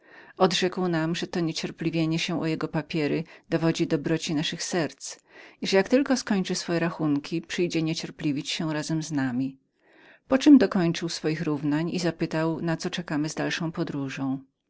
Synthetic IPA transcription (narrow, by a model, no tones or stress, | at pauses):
ɔd̪ʐɛkwnamʐɛt̪ɔɲet͡ɕɛɾplʲivʲjeɲɛɕɛʔɔjɛɡɔpapʲjɛɾɘd̪̥ɔvɔd͡ʑid̪ɔbɾɔt͡ɕinaʂɘxsɛɾt̪siʐɛjakt̪ɘlkɔskɔɲt͡ʂɘsfɔjɛɾaxuŋkʲʰipʂɘjd͡ʑɛɲɛt͡ɕɛɾplʲivʲit͡ɕɕɛɾazɛmznamʲi | pɔt͡ʂɘmd̪ɔkɔɲt͡ʂɘwsfɔjixɾuvnaɲizapɘt̪awnat̪sɔt͡ʂɛkamɘzd̪alʂɔ̃w̃pɔd̪ɾuʐɔ̃w̃